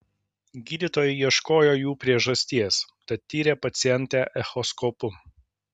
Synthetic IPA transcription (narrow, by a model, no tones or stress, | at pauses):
ɡʲiːd̪ʲiːt̪oːjɛɪiɛʃkoːjoːjuːpʲɾʲiɛʒɐsʲt̪ʲiɛst̪ɐt̪ʲːiːɾʲeːpɐt̪sʲɪɛnʲt̪ʲæʔɛxɔskɔpʊ